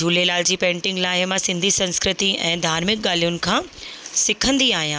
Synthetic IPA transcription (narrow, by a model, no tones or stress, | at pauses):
d͡ʑʱuːlelaːld͡ʑiːpẽːɳʈɪ̃ŋɡlaːɦɪmãsɪ̃nd̪ʱisɐ̃nskɾɪt̪iɛ̃ːd̪ʱaːɾmɪk̚ɠaːlijʊnɪ̆kʰãːsɪkʰə̃nd̪iaːɦijãː